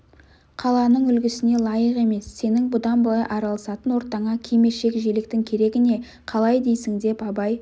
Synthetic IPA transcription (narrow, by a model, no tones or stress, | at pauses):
qʰɑlˠɑnəɴʏlɡʲɪsɪne̞lˠɑjəqe̞me̞sːe̞nɪŋbʊd̪ɑnbəɑjʔɑɾɑlˠəsɑt̪ənwo̞ɾt̪ɑɴɑkʲʰeme̞ʃe̞kʒe̞lɪk̚t̪ɪŋkʲʰe̞ɾe̞ɡʲɪne̞ | qʰɑlˠɑjd̪e̞jsɪŋd̪e̞pɑbɑj